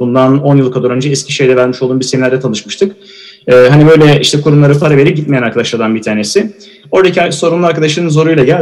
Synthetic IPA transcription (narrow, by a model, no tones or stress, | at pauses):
und̪ano̞njɯlˠkʰad̪uɾø̞nd͡ʒɛɛscʰiʃe̞jd̪ɛvæɾmiʃolˠd̪uːnbiɾseminʲæɾd̪ɛt̪ʰanˠɯʃmɯʃt̪ʰɯkː | ɦanibø̞jlʲɛʔiʃt̪ʰɛkʰuɾumlˠaɾɯfaɾaveɾiɟit̪̚mejænaɾkʰad̪aʃlˠaɾd̪anbit̪ʰaːne̞sɪ | o̞ɾd̪acʰiaso̞ɾunlˠuaɾkad̪aʃ̬lˠaɾɯnz̬o̞ɾujlˠaɟæ